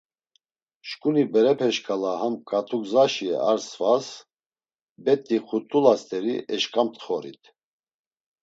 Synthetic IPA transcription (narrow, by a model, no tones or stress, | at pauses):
ʃkʼunibɛɾɛpʰɛʃkʼalahamkʼat̪ʼʰuɡzaʃiɛ̰aɾsvas | bɛt̪ʼːiχut̪ʼulast̪ʼɛɾiʔɛʃkʼamt̪ʰʼχɔɾḭt̪ʰ